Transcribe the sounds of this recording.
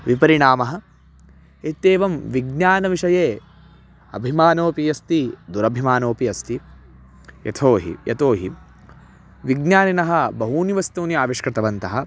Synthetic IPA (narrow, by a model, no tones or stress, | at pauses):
ʋipɐɾiɳaːmɐɦɐ̆ | et̪ːeːʋɐmʋiɡnjaːnɐʋiʂɐjeː | ɐ̰bʱimaːnoːpijɐst̪id̪uɾɐbʱimaːnoːpiɐst̪i | jɐ̰t̪ʰoːɦḭjɐ̰t̪oːɦi | ʋiɡnjaːninɐɦɐ̆bɐɦuːniʋɐst̪uːniaːʋiʂkɾɪt̪ɐʋɐnt̪ɐɦɐ̆